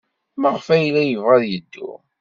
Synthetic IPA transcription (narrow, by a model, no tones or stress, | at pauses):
məʁfæjlæjəvʁæðjəd̪ːuʊ̰